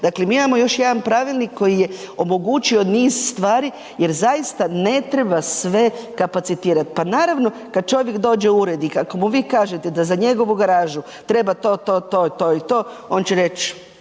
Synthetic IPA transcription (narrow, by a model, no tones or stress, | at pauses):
d̪aklemiːmamo̞jo̞ʃjed̪anpɾaʋilˠnikːo̞jije̞o̞mo̞ɡut͡ʃio̞niːz̥st̪ʋaːɾi | je̞ɾzajist̪ane̞t̪ɾe̞basʋe̞kapat̪sit̪iːɾat̪i̥panaːɾaʋno̞ | kad̪̚t͡ʃo̞ʋje̞kd̪o̞ːd͡ʒe̞uɾed̪ikako̞muʋiːkaːʒet̪e̞d̪azaɲe̞ɡo̞ʋuɡaɾaːʒu | t̪ɾe̞bat̪o̞ːt̪oːt̪ot̪oːit̪o̞ː | o̞nt͡ɕeɾe̞t͡ʃ